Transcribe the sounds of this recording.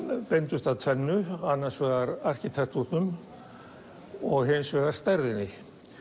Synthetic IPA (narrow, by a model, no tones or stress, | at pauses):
pejnt̪ʏst̪aðt̪ʰvɛnːʏanːḁsvɛːɣaɾar̥cɪt̪ʰɛrt̪uht̪nʏm | ɔɣɦensvɛːɣaɾ̥st̪ɛɾðɪnːɪ